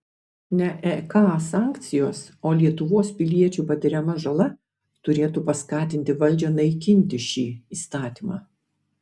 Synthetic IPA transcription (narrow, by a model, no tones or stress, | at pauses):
nʲɛʔɛkɑːsɑːŋʲkt̪sʲɪjoːsoːlʲiɛt̪ʊʋoːspʲɪlʲiɛt͡ʃʲuˑpɐt̪ʲɪɾʲɛmɐʒɐlˠɐ | t̪ʊɾʲeːt̪uːpɐskɑːt̪ʲɪnʲt̪ʲɪʋɐlʲˑd͡ʒʲoːnɐɪkʲɪnʲt̪ʲɪʃʲiːiːst̪ɑːt̪ʲiːmɑː